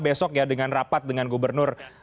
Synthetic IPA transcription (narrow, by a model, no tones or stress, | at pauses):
besɔkjadəŋanrapat̪̚dəŋanɡubərnʊr